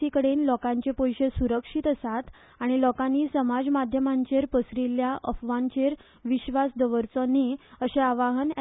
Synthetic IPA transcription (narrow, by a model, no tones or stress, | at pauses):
ikəɽenlɔkãɲt͡ɕepojɕesuɾəkʂit̪əsat̪ | aɽ̃ilɔkanːiːsəmad͡zmad̪ʱjəmaɲt͡ɕeɾpəsɾiljaʔə̰fʋãɲt͡ɕeɾ | ʋiɕʋasd̪əʋəɾt͡sonːiəɕeaʋaɦən